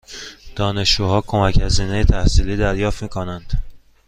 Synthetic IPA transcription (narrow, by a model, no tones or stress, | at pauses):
d̪̥ɒːne̞ʃd͡ʒuːhɒːkʰo̞mæchæziːnejet̪ʰæhsiːliːd̪æɾjɒːft̪miːkʰonænd̪̥